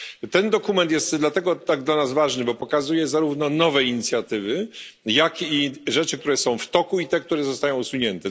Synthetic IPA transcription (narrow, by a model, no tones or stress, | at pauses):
t̪ɛnd̪ɔkumɛnt̪̬jɛst̪d̪lat̪ɛɡɔt̪aɡd̪lanazvaʐnɘbɔpɔkazujɛzaɾuvnɔnɔvɛiɲit̪sʲjat̪ɘvɘjakiʐɛt͡ʂɘk̚t̪uɾɛsɔ̃w̃ft̪ɔkuit̪ɛk̚t̪uɾɛzɔst̪ajɔ̃w̃usuɲɛnt̪ɛ